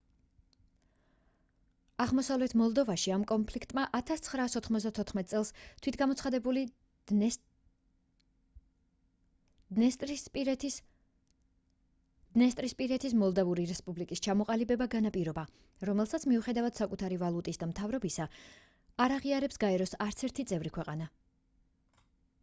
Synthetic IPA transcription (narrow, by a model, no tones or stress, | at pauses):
aʁmɔsavlɛt̪ʰmɔlˠd̪ɔvaʃiamkʼɔnpʰlikʰt̪ʼmaʔat̪ʰast̪sʰχɾaːsɔt̪ʰχmɔzd̪at̪ʰɔt̪ʰχmɛt̪ʼsʼɛlˠst̪ʰwit̪ʰɡamɔt̪sʰχad̪ɛbuli | nɛst̪p | d̪nɛst̪ʼɾispʼiɾɛt̪ʰismɔlˠd̪avuɾiɾɛspʼublikʼist͡ʃʰamɔqʼalibɛbaɡanapʼiɾɔba | ɾɔmɛlˠsat̪sʰmiuχɛd̪avad̪̥sakʼut̪ʰaɾivalˠut̪ʼisd̪amt̪ʰavɾɔbisa | aɾaʁiaɾɛpsɡaɛɾɔsaɾt̪sʰɛɾt̪ʰit̪sʼɛvɾikʰwɛqʼana